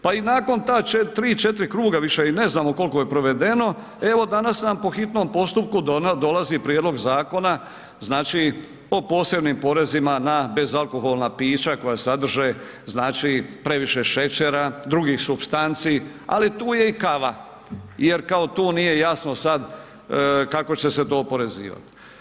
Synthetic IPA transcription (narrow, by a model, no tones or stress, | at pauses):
painaːko̞nt̪aːet̪ɾiːt͡ʃe̞t̪ɾikɾuːɡaʋiʃeine̞znaːmo̞ko̞lkojepɾo̞ʋe̞d̪e̞no̞ | e̞ʋo̞d̪anasnampo̞xit̪no̞mpo̞st̪up̚kud̪d̪o̞lazipɾjed̪lo̞ɡzaːko̞na | znaːt͡ʃi | o̞po̞ːse̞bnimpo̞ɾe̞zimanabe̞zalˠko̞ɦo̞lˠnapiːt͡ʃako̞jasad̪r̩ʒe | znaːt͡ʃipɾe̞ʋiʃeʃe̞t͡ɕeɾad̪ɾuɡixsubst̪ant̪siː | a̰lit̪uːje̞ikaʋa | jeɾkao̞t̪uːnije̞jasno̞sad̪ | kako̞t͡ɕe̞se̞t̪o̞ːpo̞ɾe̞zḭːʋa̰t̪